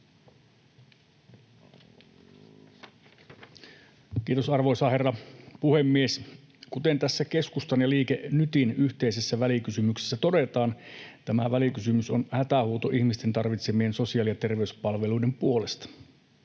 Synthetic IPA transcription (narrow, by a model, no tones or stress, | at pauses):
k̟iːt̪o̞sɑrʋojsɑːherːɑpuhemːies | kut̪e̞nt̪æsːæke̞skust̪ɑnjɑliːkenyt̪inyçt̪e̞ise̞sːæʋælikysymykse̥sːæt̪o̞de̞t̪ɑːnt̪æmæʋælikysymyso̞nhæt̪æhuːt̪oʔiçmist̪ent̪ɑrʋit̪semie̞nso̞siɑːˑlijɑt̪e̞rʋe̞yspɑlʋe̞lujde̞mpuo̞le̞st̪ɑ̥